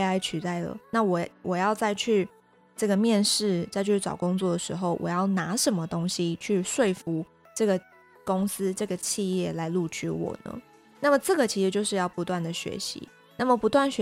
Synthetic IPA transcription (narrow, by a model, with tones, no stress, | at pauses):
a˧˥ɪt͡ɕʰy˨˥t̪a˥˩ɪlə̰˩na˥˩wɔ˨˩wɔ˨˩jɑ˥˧ʊt͡sa˥˧ɪt͡ɕʰy˥˧ | ʈ͡ʂɤ˥˩ɡə˩mjɛ˥˧nʂɻ̩˥˩t͡sa˥˧ɪt͡ɕʰy˥˩t͡sɑ̰˨˩ʊkʊ˥ŋt͡swɔ˥˩d̪ə˩ʂɻ̩˧˦xo˥˩ʊwʔɔ̰˨˩jɑ˥˩ʊna˧˥ʂə˧˥nmə˧t̪o˥ŋɕi˦t͡ɕʰy˥˧ʂwe˥˩ɪfu˧˥ | ʈ͡ʂɤ˥˩ɡə˩ | ko˥ŋsɹ̩˥ʈ͡ʂɤ˥˩ɡə˩t͡ɕʰi˥˧jɛ˥˩la˧˥ɪlu˥˩t͡ɕʰy̰˥wɔ̰˨˩nə̰˦ | na˥˩mə˩ʈ͡ʂɤ˥˩ɡə˩t͡ɕʰi˧˥ʂɻ̩˧˥t͡ɕjo˥˧ʊʂɻ̩˥˧jɑ˥˩ʊpu˧˥t̪wa˥˩nd̪ə˩ɕɥɛ̰˧˥ɕḭ˧˥˦ | na˥˩mə˨˩pu˧˥t̪wa˥˩nɕɥ